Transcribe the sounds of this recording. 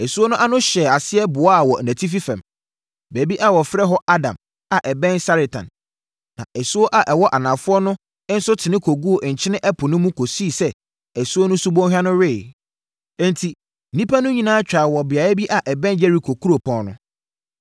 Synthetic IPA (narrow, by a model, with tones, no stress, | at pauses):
ɛ˨su˦o˦nʊ̃˦ʔa˦nʊ̃˦ɕɛ˨a˨sɪ˦ɛ˦bʊ˨ɔ˦a˨wɔ˨næ̃˨tʰi˦f̬i˦fɛ̰̃˨m | bæ˨˦bi˦ʔa˨wɔ˨fɾɛ˦ɦɔ˦ʔa˦dã̰˨m | a˨ʔɛ˨bɛ̃˦nsa˦ɾe˨tʰã̰˨n | nã̰˨ʔɛ˨su˦o˦ʔa˨ʔɛ˨wɔ˦ʔa˨nã˨fʊ˦ɔ˦nʊ̃˦ | n̩˦sʊ˦tʰɪ˨nɪ̃˦kʰo˨ɡu˦o˨ʔɲ̩˨t͡ɕʰɪ˦nɪ̃˦ʔɛ˦pʰʊ˨nʊ̃˦mũ˦kʰo˨si˦˨sɛ˦ | ɛ˨su˦o˦nʊ̃˦su˦bɔ̃˦hᶣa˦nʊ̃˦ɾɪ˦˨ | ɛ̃˦˨ntʰi˨ | nĩ˦pʰa˦nʊ̃˦ɲĩ˨nãː˦t͡ɕᶣa˨wɔ˨bɪ˨a˨ɛ˦bi˦ʔa˨ʔɛ˨bɛ̃˦nd͡ʑɛ˦ɾi˨kʰo˨kʰu˦ɾo˨pʰɔ̃˦nʊ̰̃˦